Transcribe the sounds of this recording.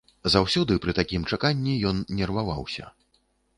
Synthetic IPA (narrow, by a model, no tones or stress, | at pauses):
zawsʲɔd̪ɨpɾɨt̪akʲimt͡ʂakanʲːijɔnnʲɛrvava̰wsʲɐ̰